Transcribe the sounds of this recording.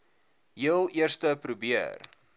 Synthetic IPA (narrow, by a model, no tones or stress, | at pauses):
jilˠiərstəpɾubiər